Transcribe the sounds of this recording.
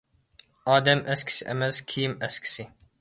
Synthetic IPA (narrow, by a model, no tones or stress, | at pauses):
ɑːd̪ɛmʔæskʲʰi̥sɪʔemɛskʲʰijimæskʲʰi̥sɪ